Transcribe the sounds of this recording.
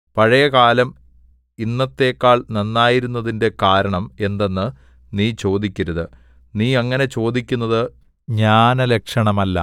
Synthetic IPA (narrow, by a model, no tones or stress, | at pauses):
pɐɻɐjɐkaːlɐm | inːɐt̪ːe̞ːkːaːɭnɐnːaːjiɾunːɐðinde̞kaːɾɐɳɐme̞nd̪e̞nːɨ | niːt͡ɕo̞ːd̪ikʲːuɾɐðɨ | niːɐŋːɐne̞t͡ɕo̞ːd̪ikʲːunːɐðɨ | ɲaːnɐlekʂɐɳɐmɐlːɐ̰